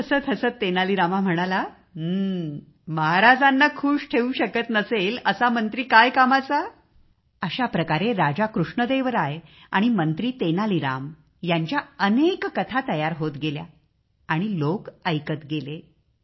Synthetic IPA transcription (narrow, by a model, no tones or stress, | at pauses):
əsəːt̪ʰəsəːt̪ːenaliɾamam̤əɽ̃ala | məɦaɾad͡zanːakʰuːʂʈʰeuɕəkət̪nəseləsamənt̪ɾiːkajkamat͡sa | əɕapɾəkaɾeɾad͡zakɾuʂɳəd̪eʋəɾaja̰ɽ̃imənt̪ɾiːt̪enaliɾam | jaɲt͡ɕjaənekːət̪ʰat̪əjaɾɦot̪ɡelja̰ | aɽ̃ilokəjkət̪ɡele